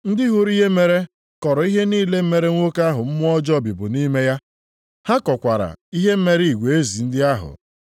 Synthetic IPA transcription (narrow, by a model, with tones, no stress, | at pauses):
n̩˦dɪ˦ɦu˦ɾi˦ɦe˦me˨ɾe˦ | kɔ˨ɾɔ˨i˦ɦe˦niː˦le˦m̩˦me˨ɾe˦ŋʷ˦o˦ka˦ɦʊ˨m̩˦mʊ˦ɔ˦d͡ʒɔ˦˨bi˨bʊ˨ni˦me˦ja˦ | ha˦kɔ˨kʷa˨ɾa̰˨i˦ɦe˦m̩˦me˦ɾi˨ɡʷe˨e˦zi˨n̩˦dɪ˦a˦ɦʊ̰˨